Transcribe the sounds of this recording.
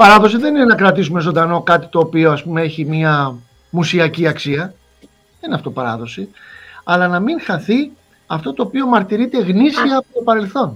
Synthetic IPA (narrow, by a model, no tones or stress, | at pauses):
pɐɾɐðo̞siðe̞nine̞nɐkɾɐt̪is̬ume̞zo̞nd̪ɐno̞kɐt̪i̥t̪o̞ːpio̞ɐspumee̞çimiɐ | musiɐciɐksiɐ | ðeninɐft̪o̞pɐɾɐ̰ðo̞siɐlɐnɐmiŋxɐθi | ɐft̪o̞t̪o̞ːpio̞mɐɾt̪iɾit̪e̞ɣnisiɐɐpot̪o̞pɐɾe̞lθo̞n